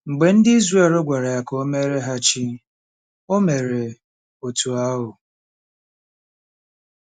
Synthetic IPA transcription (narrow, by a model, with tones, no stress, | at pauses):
ŋ͡m̩˨ɡ͡be˨n̩˦dɪ˦i˦zre˦˨lo˦ɡʷa˨ɾa˨ja˨ko˦me˦ɾe˦ɦa˦t͡ʃi˦ | o˦me˨ɾe˨ | o˨tu˨a˦ɦʊ˨